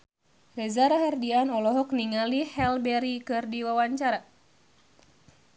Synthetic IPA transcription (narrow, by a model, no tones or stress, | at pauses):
rɛzaɾaɦardianɔlɔɦɔk̚niŋalihɛlbɛɾikɨrdiwawaɲt͡ʃaɾa